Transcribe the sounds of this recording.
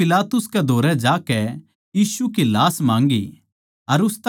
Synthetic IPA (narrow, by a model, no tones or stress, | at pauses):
ɪlaːt̪ʊskɛd̪ʱoːɾɛd͡ʒaːkɛ | jiːsukilaːsmãːŋɡi | ɐɾʊst̪